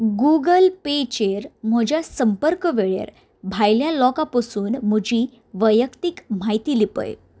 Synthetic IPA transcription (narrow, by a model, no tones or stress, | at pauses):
ɡuɡəlpet͡ɕeɾm̤əd͡ʑʱjasəmpəɾkəʋeɭjḛɾ | bʱajljalɔkapəsuːnm̤əd͡ʑʱiː | ʋəjəkt̪ikmait̪iːlipə̰j